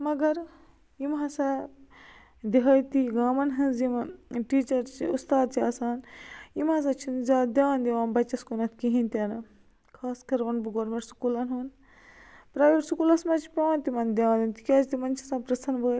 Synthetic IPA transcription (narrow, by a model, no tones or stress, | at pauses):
mɐɡɐɾ | imɦɐsa | d̪iɦɐjt̪iɡaːmɐnɦɨnzimʈiːt͡ʃɐɾt͡ʃḭust̪aːd̪̚t͡ʃʰiaːsaːnimɐs̬ɐt͡ʃʰinzʲaːd̪ʲjaːnd̪iʋaːnbɐt͡ʃɐskunɐt̪ʰkiɦint̪ʲɐnɨ | kʰaːskɐɾʋɐnbɨɡoːɾmeɳʈsu̥kulɐnɦuːn | pɾaːʋiʈsukuːlɐsmɐt͡ʃʰi̥pʲɐaːnt̪imɐnd̪ʲjãːnd̪int̪i̥kʲaːd͡ʒt̪imɐnt͡ʃʰi̥saːnpɾɐt̪ʰɐnbəː